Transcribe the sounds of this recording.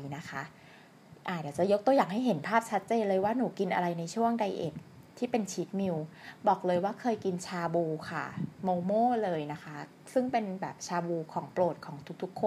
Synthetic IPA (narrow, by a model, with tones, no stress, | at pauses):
na˦˥kʰa˦˥ʔ | ʔaː˨˩dɛː˨˩t͡ɕa˨˩jo˦˥k̚t̪u˧əjaː˨˩ŋɦa˥˩jɦe˩˦npʰaː˥˩p̚t͡ɕʰa˦˥t̪̚t͡ɕeː˧nlɤː˧jwaː˥˩nuː˩˦ki˧nʔa̰˧ɾa˧jna˧jt͡ɕʰu˥˩əŋda˧jʔḛ˨˩p̪̚ | t̪ʰːiː˥˩pe˧nt͡ɕʰiː˦˥t̪̚mi˧wbɔː˨˩k̚lɤː˧jwaː˥˩kʰɤː˧jki˧nt͡ɕʰaː˧buː˧kʰa̰˥˩moː˧moː˥˩lɤː˧jna˦˥kʰa˦˥ | sɯ˥˩ŋpe˧nbɛː˨˩p̚t͡ɕʰaː˧buː˧kʰɔː˩˦ŋploː˨˩t̪̚kʰɔː˩˦ŋt̪ʰu˦˥t̪ʰu˦˥kʰːo˧n